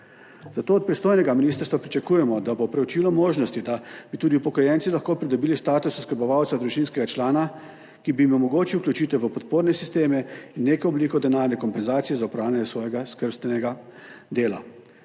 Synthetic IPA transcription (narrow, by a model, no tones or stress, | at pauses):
zat̪oːɔt̪̚pɾist̪oːjnɛɡaminiːst̪əɾst̪ʋapɾit͡ʃɛkuːjɛmɔd̪abopɾɛwt͡ʃiːlɔmoːʒnɔst̪id̪abit̪uːd̪iupɔkɔjɛnt̪silaxkoːpɾid̪ɔbiːlist̪aːt̪ususkəɾbɔʋawt̪sad̪ɾuʒinskɛɡat͡ʃlaːna | kibiimɔmɔɡoːt͡ʃiwklʲut͡ʃiːt̪ɛʋəpɔt̪poːɾnɛsist̪eːmɛinːeːkɔɔbliːkɔd̪ɛnaːɾnɛkɔmpɛnzaːt̪sijɛzaupɾaːwlʲanɛsʋɔːjɛɡaskəɾst̪ʋɛnɛɡad̪eːla̰